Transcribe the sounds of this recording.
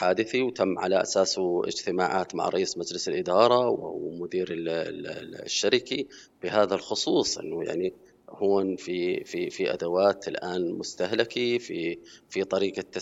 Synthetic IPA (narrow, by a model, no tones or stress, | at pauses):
ħaːd̪ɪθiwt̪amːʕalaʔa̰saːsɪ̰d͡ʒt̪ɪmaːʕa̰ːt̪ma̰ʕɾˤɑ̰ʔiːsmad͡ʒlɪsɪlʔɪd̪ɑːɾˤɑwɪ̰mʊd̪iːɾɪ | ʃːaɾɪki | b̥ɪɦaːðalxʊsˤuːsˤʔɪ̰nːʊja̰ʕni | huːnfififiʔa̰d̪awaːt̪ɪlʔaːnmʊst̪ahlakififit̪ˤɑɾiːqat̪ːa